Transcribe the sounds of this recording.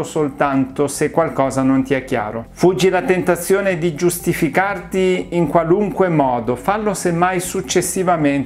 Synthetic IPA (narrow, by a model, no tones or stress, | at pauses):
osolt̪ant̪osekːwalkɔːzanont̪iɛkːja̰ːɾofud͡ʒːilat̪ent̪at̪sːjoːned̪id͡ʒust̪ifikart̪iːŋkwaluŋkwemɔːd̪ofalːosemːajsut͡ʃːesːivamen